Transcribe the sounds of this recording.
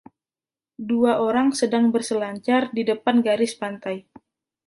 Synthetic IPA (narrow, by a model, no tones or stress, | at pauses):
duaʔoɾaŋsədaŋbərsəlaɲt͡ʃardidəpanɡaɾɪspant̪aj